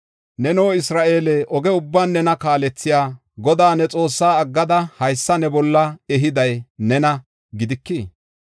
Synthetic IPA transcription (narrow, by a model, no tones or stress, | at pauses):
nɛnoːɪsɾaːʔeːlɛʔɔɡɛʊbːaːnːɛnɐkaːlɛt͡sːɪjaː | ɡɔd̪aːnɛt͡sʼo̞ːsːaːɐɡːɐd̪ɐhɐjsːɐnɛbɔlːɐɛɦɪd̪ɐjnɛnɐ | ɡɪd̪ɪkːiː